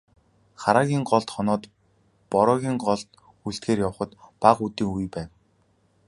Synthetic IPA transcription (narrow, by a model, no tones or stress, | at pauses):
χaɾaːɣʲiːŋɢɔɮt̪χɔnɔːt̪ | pɔɾɔːɣʲiːŋɢɔɮt̪ | uɮt̪ɡeːrjaw̆χə̆t̪paqut̪iːŋujpæːw